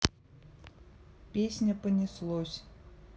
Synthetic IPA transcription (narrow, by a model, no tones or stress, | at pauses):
pʲesʲnʲɐpənʲislˠɔsʲ